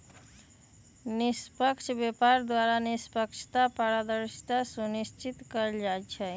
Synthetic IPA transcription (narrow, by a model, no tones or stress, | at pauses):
nispəkt͡ʃʰbjepaɾd̪waɾanispəkt͡ʃʰt̪apaɾad̪əɾsi̥t̪asunist͡ʃʰit̪kəɾd͡ʒaet͡ʃʰɛ